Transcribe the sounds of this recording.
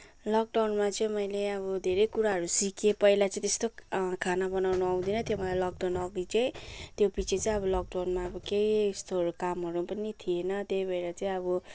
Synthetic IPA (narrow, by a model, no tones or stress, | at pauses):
lʌk̚ɖawnmat͡sʌĩmʌjleʌβʌd̪ʱeɾʌjkuɾaɦʌɾusikʰepʌilat͡sʌ̃ĩt̪est̪okʰanabʌnawnʌʌw̃d̪inʌt̪jomʌlajlʌk̚ɖawnʌɡ̪it͡sʌĩt̪jopit͡sʰet͡saĩʌbʌlʌk̚ɖawnmaʌbʌkejst̪oʌɾukamɦʌɾupʌnit̪ʰienʌt̪jʌjbeɾat͡saĩʌbʌ